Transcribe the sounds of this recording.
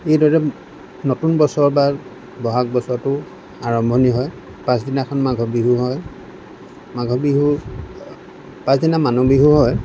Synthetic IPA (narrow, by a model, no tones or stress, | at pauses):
ejdɔɹɛ | notunbɔsɔɹbaɹ | bɔɦak̚bɔsɔɹtʊ | aɹɔmbʱɔniɦɔj | pãs̬dinakʰɔnmaɡʱɔbiɦuɦɔj | maɡʱɔbiɦu | pãsdinamanɔbiɦuɦɔj